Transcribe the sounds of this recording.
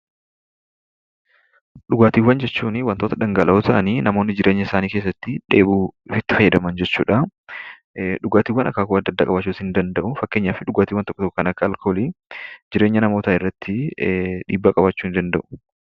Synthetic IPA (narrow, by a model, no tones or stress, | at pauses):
ᶑʊɡaːt̪iːwɐnd͡ʒɛt͡ʃːuːnɪwɐnt̪ot̪ɐd̪ɐŋɡɐlʔɐʔoːt̪ʰɐʔɐniːnɐmo̞ːnːɪd͡ʒɪɾʔe̞ːɲːɐɪsaːniːkeːs̬ːɐt̪ːɪᶑe̞̰ːbuːɪfɪt̪ːɪ̥fɐjːɐd̪ɐmɐnd͡ʒɛt͡ʃːṵːᶑɐ | ᶑʊɡaːt̪iːwːɐnɐ̰kːaːkʊɐd̪ːɐd̪ːaːkʼɐbɐt͡ʃːuːsɪnd̪ɐnd̪ɐʔʊfɐkːe̞ːɲːaːfɪᶑʊɡaːt̪iːwːɐnt̪ɔ̥kːɔt̪ɔkːɔkɐnɐkːɐːlkʰoːlid͡ʒɪɾe̞ːɲːɐnɐmo̞ːt̪aɪrːɐt̪ʰːɪᶑḭːbːaːkʼɐbat͡ʃːuːɪnd̪ɐnd̪ɐʔʊ̥